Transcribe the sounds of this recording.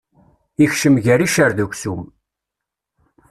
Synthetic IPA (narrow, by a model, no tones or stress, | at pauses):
içʃəmʝæɾiʃəɾðukʷsum